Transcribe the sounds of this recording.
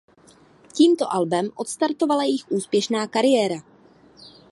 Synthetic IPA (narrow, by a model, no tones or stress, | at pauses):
ciːmt̪o̞ʔalbɛmʔo̞t̪st̪aɾt̪o̞valajɛjjɪxʔuːspjɛʃnaːkaɾɪjɛːɾa